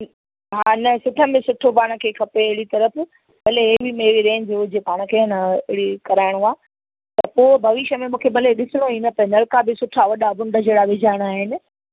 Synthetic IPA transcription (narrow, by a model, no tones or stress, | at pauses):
ɦaːnɐsʊʈʰəbẽsʊʈʰopaːɽ̃ə̆kʰeːkʰɐpeɪɦɪɽit̪ɐɾəf | ɓɐleɦebimeːʋiɾẽːnd͡ʑeʊd͡ʑepaːɽ̃ə̆kʰeɐnaɪɪɽikɐɾaːɪɽ̃uaː | t̪ɐpoːbʱɐʋɪʃəmẽmũːkʰeɓɐleɗɪsɪɽ̃oinɐpɐnɐlkabɪsʊʈʰaʋɐɗabʊ̃ɳɖʱəd͡ʑeːɽaʋɪd͡ʑʱaːɪɽ̃aːɦɪnɪ̆